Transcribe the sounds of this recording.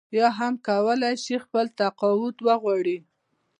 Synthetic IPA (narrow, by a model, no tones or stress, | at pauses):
jɑɦamkawəlajʃixpəlt̪aqɑwʊt̪wəɣwɑɽi